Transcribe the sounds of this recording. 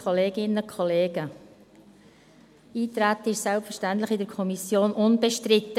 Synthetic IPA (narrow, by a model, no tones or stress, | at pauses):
ɔleːɡɪnəkʰɔleːɡə | iːt̪ɾat̪ɪʃsɛlpfɛɾʃtantləχɪdɛɾkʰɔmisjoːnʔʊnbɛʃtɾɪt̪ːə